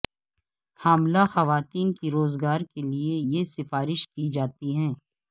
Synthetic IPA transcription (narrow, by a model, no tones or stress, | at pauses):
haːmlaxɐʋaːt̪iːnkiɾoːzɡaːɾkeliejesɪfaːɾɪʃkid͡ʒaːt̪iɦɛ̃ː